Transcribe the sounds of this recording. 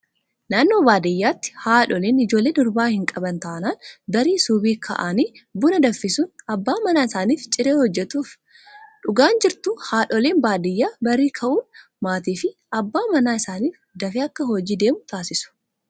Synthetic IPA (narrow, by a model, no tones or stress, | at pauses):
naːnːo̞ːbaːd̪ɪjːaːt̪ːɪ̥haːᶑɔleːnɪd͡ʒo̞ːlːeːd̪ɔɾbaːhɪŋkʼɐbɐnt̪ɐːnaːnbɐɾiːsuːbiːkʰɐ̰ʔaːniːbʊnɐd̪ɐfːɪsʊnɐbːaːmɐnaːɪsaːniːft͡ʃʼɪɾeːhɔd͡ʒːɛt̪uːf | ᶑʊɡaːnd͡ʒɪɾt̪ʊhaːᶑɔleːnbaːd̪ɪjːaːbɐɾiːkʰɐʔuːn | maːt̪iːfɪʔɐbːaːmɐnaːɪsaːniːf | d̪ɐfeːɐkːɐɦɔd͡ʒiːd̪e̞ːmʊt̪aːsɪsʊ̥